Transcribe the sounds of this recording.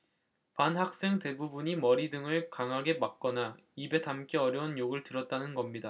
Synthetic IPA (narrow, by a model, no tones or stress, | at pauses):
panɦak̚s͈e̞ŋte̞bubuɲimʌɾidɯŋɯɭkaŋɦaɡe̞mak̚k͈ʌna | ibe̞tamk͈eʌɾjʌunjoɡɯɭtɯɾʌt̚t͈anɯnɡʌmɲida